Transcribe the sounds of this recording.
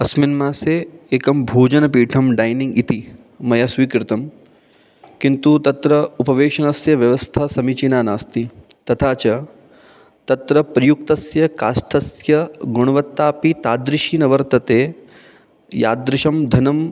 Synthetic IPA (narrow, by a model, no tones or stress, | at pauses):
ɐsminmaːseːeːkɐmbʱuːd͡ʒɐnɐpiːʈʰɐmɖajnĩŋɡit̪i | mɐjɐsʋiːkɾɪt̪ɐm | kint̪ut̪ɐt̪ɾɐupɐʋeːʃɐnɐsjɐʋjɐʋɐst̪ʰasɐmit͡ʃinaːnaːst̪it̪ɐt̪ʰaːt͡ʃɐ | t̪ɐt̪ɾɐpɾɐjuk̚t̪ɐsjɐkaːʂʈʰɐsjɐɡoɳ̃ɐʋɐt̪ːaːpit̪aːd̪ɾɪʃiːnɐʋɐɾt̪ɐt̪eː | ja̰ːd̪ɾɪʃɐmd̪ʱɐnɐm